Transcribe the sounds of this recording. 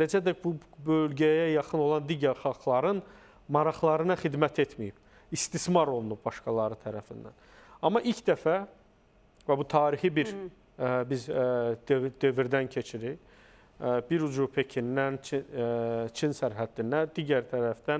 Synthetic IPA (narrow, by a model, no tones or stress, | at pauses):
led͡ʒæd̪æbubølɟæjæjɑχɯno̞lˠɑnd̪iɟæɾχɑlˠxlˠɑɾɯn | mɑɾɑχlˠɑɾɯnɑχid̪mæt̪ʰe̞t̪ʰmijib̥ | ist̪ismɑɾo̞lˠunub̚bɑʃkɑlˠɑɾɯt̪ʰæɾæfind̪æ̰n | ɑmːɑʔilcʰd̪æfæ | væbut̪ʰɑːɾixibiɾ | bizd̪ød̪øviɾd̪æncʰe̞t͡ʃʰiɾiç | biɾud͡ʒuɾpʰe̞cʰinːænt͡ʃʰi | t͡ʃʰinsæɾɦæd̪ːinːæd̪iːɟæɾt̪ʰæɾæfd̪̥æn